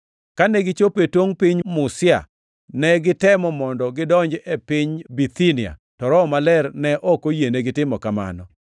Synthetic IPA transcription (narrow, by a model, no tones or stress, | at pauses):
kanɛɡɪt͡ʃopetwoŋpɪɲmʊsɪa̰ | nɛɡɪtɛmɔmɔndɔɡɪdɔɲd͡ʒepɪɲbit̪inia̰tɔɾɔmalɛrnɛʔɔkojeneɡɪtɪmɔkama̰nɔ